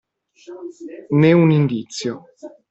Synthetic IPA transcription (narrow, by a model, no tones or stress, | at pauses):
nɛunind̪it̪sjo